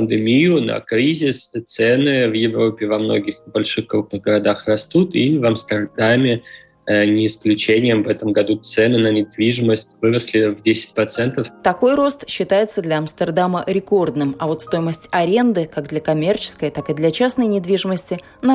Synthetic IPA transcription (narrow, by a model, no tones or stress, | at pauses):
pənd̪ɨmʲijʊnɐ̰kɾʲizʲɪst̪sɛnɨvjɪvɾo̞pʲɪvɐmno̞̰ɡʲɪxbɐlʲʂɨxkɾup̚nɨɣɡəɾɐd̪axrɐst̪ut̪ivɐmst̪ərd̪amʲɪ | nʲɪɪsklʲʉt͡ɕenʲɪjəmvɛt̪əmɡɐd̪ut̪sɛnɨnənʲɪd̪vʲiʐɨməsʲtʲvɨɾəsʲlʲɪvdʲesʲɪ̥t̚ʲpɾɐt̪sɛnt̪əft̪ɐko̞jɾo̞st̪ɕːɪt̪ajɪt̪səd̪lʲɐɐmst̪ərd̪aməɾʲɪko̞rd̪nɨmɐvo̞t̪st̪o̞jɪməsʲtʲɐɾʲe̞nd̪ɨkaɡd̪lʲɐkɐmʲe̞rt͡ɕɪ̥skəjt̪akɨd̪lʲɐt͡ɕasnəjnʲɪd̪vʲiʐɨməsʲtʲɪ | nɐ